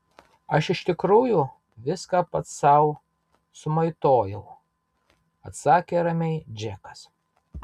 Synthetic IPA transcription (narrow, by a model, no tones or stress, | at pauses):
ɐʃɪʃt̪ʲɪkɾuːjʊ | ʋʲɪskɑːpɐt̪ssɐʊ | sʊmɐɪt̪oːjɛʊ | ɐt̪sɑːkʲeːɾɐmʲɛɪd͡ʒʲækɐ̥s